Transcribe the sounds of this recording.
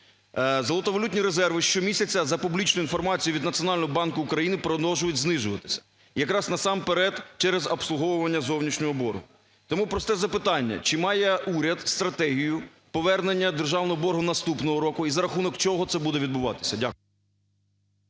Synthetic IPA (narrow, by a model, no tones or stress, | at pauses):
zɐlˠɔt̪ɔʋɔlʲut̬ʲnʲiɾezɛrʋɪʃt͡ʃɔmʲisʲɐt͡sʲːɐzɐpublʲit͡ʃnʊinfɔrmɑt͡sʲijʊʋʲid̪nɐt͡sʲiɔnɑlʲnɔɦɔbɑnkʊːkɾɐjinɪpɾɔd̪ɔwʒʊjʊtʲznɪʒʊʋɐt̪ɪ̥sʲɐ̥ | jɐkɾɑznɐsɑmpeɾɛd̪t͡ʃɛɾɛzɐpslˠʊɦɔwʊʋɐnʲːɐzɔwnʲiʃnʲɔɦɔbɔrɦʊ | t̪ɔmupɾɔst̪ɛzɐpɪt̪ɑnʲːɐ̰t͡ʃɪmɑjɛuɾʲɐd̪st̪ɾɐt̪ɛɦʲijʊ | pɔʋɛrnenʲːɐd̪erʒɑwnɔɦɔbɔrɦʊnɐst̪upnɔɦɔɾɔkʊizɐɾɐxunɔkt͡ʃɔɦɔt̪sɛbud̪ɛʋʲid̪̚bʊʋɑ̰t̪ɪ̥sʲɐdʲakʊ